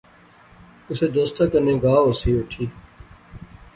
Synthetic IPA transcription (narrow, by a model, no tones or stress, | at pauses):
ʊseːd̪oːst̪akənẽːɡaːʊsiːʊʈʰiː